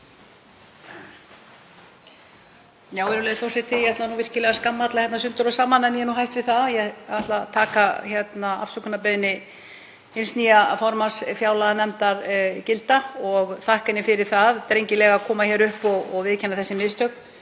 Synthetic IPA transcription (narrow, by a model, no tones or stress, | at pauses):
jawɛɾʏlɛːðθɔwsɛt̪ʰːɪjat̪lanuːvɪr̥cɪlɛɣaskamːat̪laçjɛt̪nasʏnt̪ʏɾɔsaːmːanɛnjɛnuɦajht̪vɪðθaðjɛaht̪lat̪ʰaːkaçɛt̪naa̰fsʏkʏnapɛðɪnːɪ | ejnst̪niːjafɔɾmasfjaːwlaɣanɛmt̪aɾcɪlt̪aɔɣθahkɪnɪfɪɾɪɾ̥θaðt̪ɾejɲcɪlɛɣakʰɔːmaçɛɾʏhpɔɣɔɣvɪðcʰɛnːaθɛsːɪmɪðst̪œk